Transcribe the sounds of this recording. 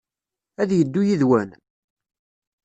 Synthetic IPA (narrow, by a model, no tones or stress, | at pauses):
æðjəd̪ːujiðwæn